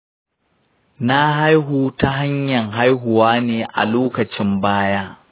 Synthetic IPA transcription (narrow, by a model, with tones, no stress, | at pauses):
na˦ha˦jɦuː˦ta˦ɦa˦ɲjɐ˨ŋɦa˦jɦʊ˨waː˦neː˨ʔa̰˨loː˦kɐ˨t͡ʃɪ˦mbaː˦jaː˦